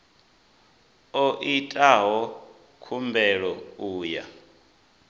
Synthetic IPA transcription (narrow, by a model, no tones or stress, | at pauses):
ɔʔitʼaɦɔ | kʰumbɛɺɔuːja̰